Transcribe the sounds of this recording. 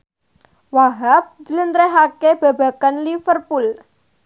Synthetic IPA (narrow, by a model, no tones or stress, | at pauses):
waɦap̚d͡ʒələnt̪ɾeɦakeb̥a̤ba̤kanlifərpul